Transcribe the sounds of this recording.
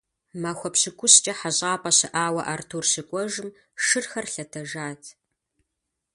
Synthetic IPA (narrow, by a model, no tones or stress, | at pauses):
maxʷɔpɕɨkʷʰʊst͡ʃʼɐħaʑʼaːpʼɐɕɨʔaːwɐʔartʰuːrsɨkʷʼɔʒɨm | ʂɨrxɐrɬɐtʰɐʒaːtʰ